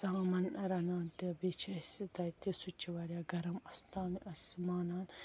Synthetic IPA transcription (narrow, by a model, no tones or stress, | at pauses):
saɦmɐnɐɾɐnaːnt̪ebeːt͡ʃʰɐsit̪ɐt̪isut͡ʃːiʋɐɾjaːɡɐɾɐmɐst̪aːmiʔɐsmaːnaːn